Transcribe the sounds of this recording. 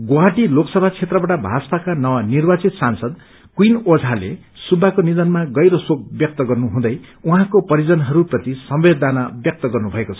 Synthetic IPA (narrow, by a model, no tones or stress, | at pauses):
ɡowaʈiloksʌbʱat͡sʰet̪rʌbaʈabʱa̰spakanʌwanirbat͡sit̪sansʌd̪ | kwinod͡zʱalḛ | subʱːakonid̪ʌnmaɡʌjɾʌsok̚bjʌk̚t̪ʌɡʌrnuɦũd̪ʌjuɦãkopʌɾid͡zʌnɦʌɾuprʌt̪isʌmbed̪anʌbjʌk̚t̪ʌɡʌrnubʱʌekot͡sʰʌ̥